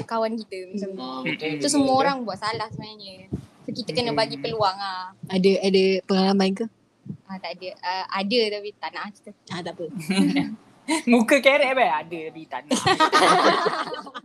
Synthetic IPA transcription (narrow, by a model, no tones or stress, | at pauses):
kawankit̪əməsamɲəɔsəmuəoɾaŋbuat̪̚salahsəbaɲaɲəsɔkit̪əkənəbaɡipəluaŋaadəadəpəŋalamaink̪u | at̪aʔdəəʔadət̪apit̪anaʔki̥t̪əat̪aʔpə | mũkəkeɾɛʔbɛadət̪apit̪anaʔ